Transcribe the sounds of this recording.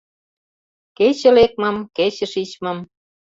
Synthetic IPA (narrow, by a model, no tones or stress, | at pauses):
ket͡ɕə̆lek̚mɤ̆mket͡ɕə̆ʃit͡ɕmɤ̆m